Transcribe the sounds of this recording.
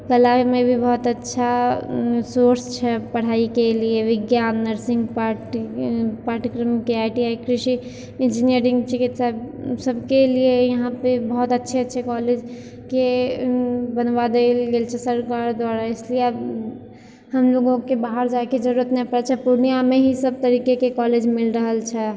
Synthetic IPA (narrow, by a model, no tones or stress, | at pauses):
kəlamẽbʱibɔɦt̪ətːʃʰa | soɾst͡ʃʰɛpəɽ̤aːikelieʋɪɡjaːnːəɾsɪ̃ŋɡpaʈ | paːʈəkɾəmkeaɪʈiaikɾɪʃi | ɪnd͡ʒiniəɾɪ̃ŋɡt͡ʃɪkit̪sabsəbkeliejəɦãpebəɦut̪ətːʃʰeːt͡ʃʰɛkɔled͡ʒ | ke | bənbad̪elɡelt͡ʃʰɛsəɾkaɾd̪waɾaeslieab | ɦəmloɡõkebaɦəɾd͡ʒaeked͡ʒəɾuɾət̪nɛpəɾɛt͡ʃʰɛpuɾnijameɦisəb̚t̪əɾikekekɔled͡ʒmilɾəɦəlt͡ʃʰɛ